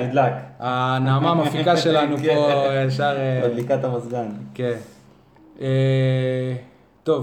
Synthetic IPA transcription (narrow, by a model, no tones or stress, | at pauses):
nid̪lakanaːmaːmafikaʃe̞lanupoeʃaʁelikat̪amazɡanken | e | t̪o̞v